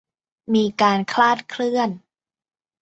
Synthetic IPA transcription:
miː˧kaː˧nkʰlaː˥˩t̪̚kʰlɯ˥˩ən

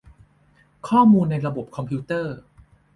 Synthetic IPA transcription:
kʰɔː˥˩muː˧nːa˧jɾa˧bo˨˩p̚kʰɔ˧mpʰi˧˦˥t̪ɤː˥˩

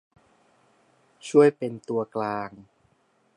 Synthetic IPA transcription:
t͡ɕʰu˥˩əjpe˧nt̪u˧ɐklaː˧ŋ

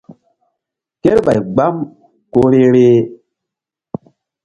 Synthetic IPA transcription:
ke˦ɾɓa˨jɡ͡ba˦m | ko˦ɾe˦ɾe˦

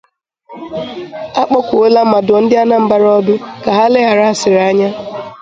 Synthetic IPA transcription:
a˦k͡pɔ˦kʷʊ˨o˦la˦m̩˦ma˨dʊ˨ɔ˨n̩˦dɪ˦a˦na˦m̩˦ba˦ɾɔ˦bɪ˦ka˨ɦa˦le˦ɦa˨ɾa˦˨sɪ˨ɾa˦ɲa˦

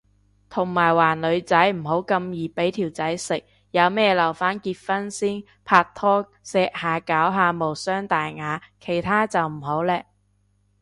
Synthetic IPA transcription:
t̪ʰʊ˨˩ŋmaː˨˩jwaː˨˩nlɵ˨˧ɥt͡sɐ˨˥jm̩˨˩ho˨˥wkɐ˧mjiː˨˩pe˨˥jt̪ʰiː˨˩wt͡sɐ˨˥jsɪ˨k̚ | jɐ˨˧wmɛː˥lɐ˨˩wfaː˥nkiː˧t̚fɐ˥nsiː˥n | pʰaː˧k̚t̪ʰɔː˥ | sɛː˧k̚haː˨˧kaː˨˥wɦaː˨˧mo˨˩wsœː˥ŋt̪aː˨jŋaː˨˧kʰe˨˩jt̪ʰaː˥t͡sɐ˨wm̩˨˩ho˨˥wlɛː˧k̚

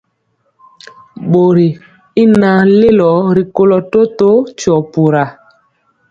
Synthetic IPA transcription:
ɓo˨ɾi˨ | i˦na˨˦le˦lɔ˨˦ɾi˨ko˦lɔ˨to˦to˦t͡ʃɔ˨pu˨ɾa˨

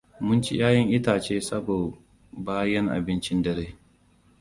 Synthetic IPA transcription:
mʊ˦nt͡ʃi˦jaː˦jɐ˦ŋʔɪ˦taː˨t͡ʃeː˦sɐ˦boː˨ | baː˦jɐ˦ŋʔa̰˨bɪ˦nt͡ʃɪ˦ndɐ˨ɾeː˦

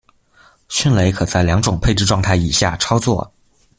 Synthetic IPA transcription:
ɕy˥˧nle˧˥ɪkʰɤ˨˩t͡sa˥˩ɪljɑ˧˥ŋʈ͡ʂʊ˨˩ŋpʰe˥˧ɪʈ͡ʂɻ̩˥˧ʈ͡ʂwɑ˥˧ŋt̪ʰa˥˩ɪi˨˩ɕja̰˥˩ʈ͡ʂʰɑ˥ʊt͡swɔ̰˥˩

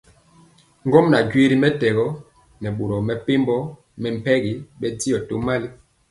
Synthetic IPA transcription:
ŋɡɔ˦mna˨ɟwi˦ɾi˦mɛ˦tɛ˨ɣɔ˦ | nɛ˨ɓo˨ɾɔ˨mɛ˨pe˦mbɔ˦ | mɛ˨m̩˨pɛ˦ɡi˨ɓɛ˦ti˦ɔ˨to˦ma˦li˦

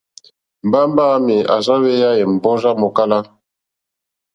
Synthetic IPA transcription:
m̩˨ba˦m˦baː˦˨˦mi˨a̰˨za˦we˦ja˦jɛ˨m̩˨bɔ˦za˦mɔ˨ka˦la˦

